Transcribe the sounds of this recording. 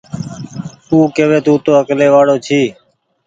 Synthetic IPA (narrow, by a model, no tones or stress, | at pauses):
tũːkeːʋeːt̪ũːt̪oːəkleːʋaːɽoːt͡ʃʰiː